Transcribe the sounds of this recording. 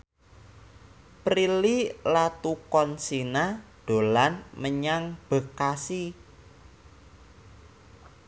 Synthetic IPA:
pɾililat̪ukɔnsinad̪̥o̤lanməɲaŋb̥ə̤kasi

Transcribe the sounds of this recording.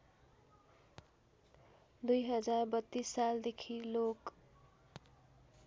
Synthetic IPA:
d̪ujɦʌd͡zarbʌt̪ːisːald̪ekʰilok

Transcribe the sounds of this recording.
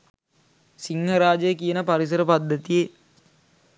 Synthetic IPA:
siŋɦəɾaːd͡ʒəjəkijənəpaɾis̬əɾəpad̪ːət̪ije

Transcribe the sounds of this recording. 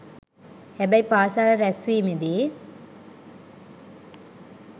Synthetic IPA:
hɛbɐjpaːsaːɾɐɾɛsʋiːmid̪i

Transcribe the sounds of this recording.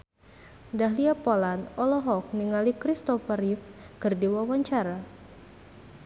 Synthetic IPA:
daɦliapɔlanɔlɔɦɔk̚niŋalikɾist̪ɔfəɾifkɨrdiwawaɲt͡ʃaɾa

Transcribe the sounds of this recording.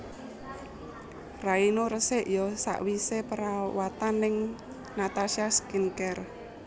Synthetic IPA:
rainoɾəsɪʔjɔsa̰ʔwisepəɾawat̪anːɪŋ | nat̪asiaskinkɛr

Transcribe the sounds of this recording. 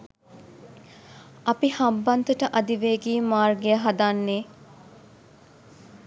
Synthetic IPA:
ɐpihambɐnt̪uʈəʔɐd̪iʋeːɡiːmaːrɡejəɦad̪anːeː

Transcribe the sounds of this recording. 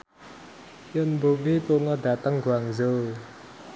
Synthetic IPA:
jənbovipoŋɔd̪at̪aŋɡwaŋzə

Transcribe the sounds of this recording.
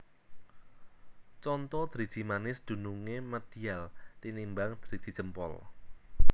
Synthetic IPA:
t͡ʃɔnt̪ɔd̪̥ɾid̥ʒ̥imanɪsd̪̥ṳnuŋeməd̪̥ialt̪inimbaŋd̪̥ɾid̪̥i̥d͡ʒ̥əmpɔ̰l

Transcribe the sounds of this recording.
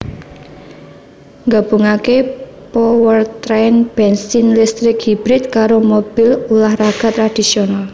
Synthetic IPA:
ŋɡab̥ṳŋake | pɔwərt̪ɾanb̥ɛnsinlist̪ɾɪkhib̥ɾɪt̪̚kaɾomob̥ɪlulahraɡ̥a̤t̪ɾad̪̥isional

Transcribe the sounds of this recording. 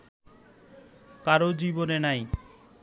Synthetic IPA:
kaɾod͡ʑibonenaj

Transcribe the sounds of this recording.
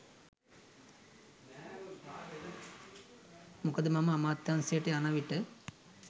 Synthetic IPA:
mukəd̪əmɐməːmaːt̪jansejːʈeanaʋiʈə

